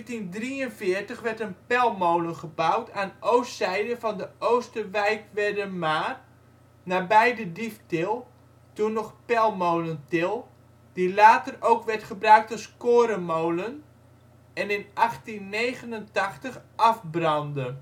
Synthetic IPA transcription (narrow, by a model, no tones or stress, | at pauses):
tindriənfɪːərtəχʋɛrtənpɛlˠmowlənχəbawtʰaːnowstsɛjdəvɑndəʔowstərʋɛjkʋɛrdəmaːr | naːbɛjdədiftɪlˠ | tunɔχpɛlˠmowləntɪlˠ | d̥ilaːtərowkʋɛɹtχəbrœɥk̚tɔskoːɾəmowlən | ɛnɪnʔɑχtinːejχənəntɑχtəχʔɑfbrɑndə